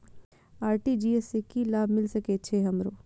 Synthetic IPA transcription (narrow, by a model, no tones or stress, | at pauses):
aːɾʈid͡ʒiːesekilaːbʱmɪlsɐket͡ʃʰeɦɐmɾoː